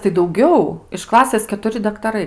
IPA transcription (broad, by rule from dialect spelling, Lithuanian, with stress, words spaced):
tɐɪ dɐʊˈɡʲɛʊ ɪʃ ˈklˠɑːsʲeːs kʲɛtʊˈrʲɪ dɐktɐˈrɐɪ